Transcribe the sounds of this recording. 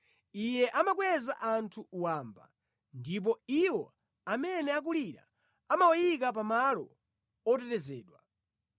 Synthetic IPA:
ijɛʔamak̬wɛza̰ʔantʰuuwaːmba̰ | ndip̬ɔiwɔ̰ | amɛnɛak̬uliɾa̰ | amawajik̬ap̬amalɔ̰ | ɔt̬ɛtɛzɛːɗwa

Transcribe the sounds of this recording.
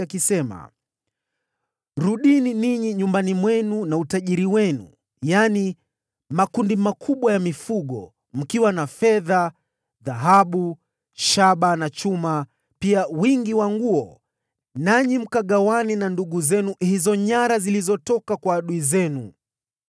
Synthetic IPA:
akisɛma̰ | ɾuɗininiɲiɲumbanimwɛnunautaʄiɾiwɛnṵ | jani | makundimakʰuɓwajamifuɠɔ̰ | m̩kiwanafɛða | ðaɦaɓu | ʃaɓanat͡ʃuma | piawiŋɡiwaŋɡuɔ | naɲim̩kaɠawaninanduɠuzɛnuhizɔɲaɾazilizɔtɔkakwaːɗuizɛnu

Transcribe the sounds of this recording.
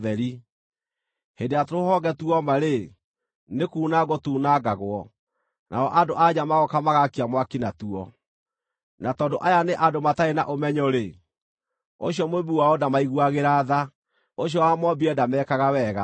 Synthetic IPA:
ðɛɾi | hendeatoɾohɔɡɛtuɔmaɾe | nekuːnaɡɔtuːnaɡaɣwɔ | nʔa̰ɔʔadoʔad͡ʑamaɣɔkamaɣakiamwakinatuɔ | natɔːndoʔajaneʔadomataena̰ʔomɛɲɔɾe | o̰ɕjɔmoβuwaɔdamaiɣuaɣeɾaːða | oɕ̬jɔwamɔbiɛdamɛːkaɣawɛɣa

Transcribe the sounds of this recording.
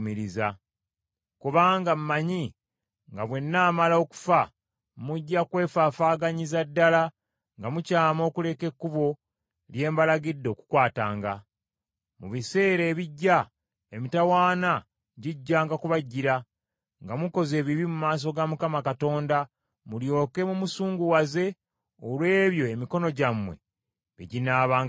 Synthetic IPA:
miɾiza | kuβaːŋɡammːaɲi | ŋɡaβwe̞nːaːmalao̞ku̥fa | muɟːakwe̞ːfaːfaːɡaɲizadːala | ŋɡamucaːmo̞ːkule̞ke̞kːuβo̞ | lje̞ːmbalaɡidːo̞ːku̥kwaːtaːŋɡa | muβise̞ːɾe̞ːβiɟːa | emitawaːna | ɟiɟːaːŋɡakuβaɟːiɾa | ŋɡamuko̞ze̞ːβiβimumaːs̬o̞ɡamukamakato̞ːnda | muljo̞ːke̞mumusuːŋɡuwaze̞ | olwe̞ːβjo̞emiko̞no̞ɟamwe̞̰ | ḛɟinaːβaːŋ

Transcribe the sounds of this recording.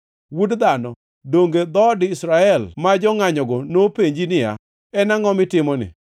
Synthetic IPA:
wudd̪anɔ | doŋɡed̪ɔdɪisɾaɛlmad͡ʒɔŋaɲɔɡɔnopeɲd͡ʒinɪja̰ | ɛnaŋɔmɪtɪmɔnɪ̰

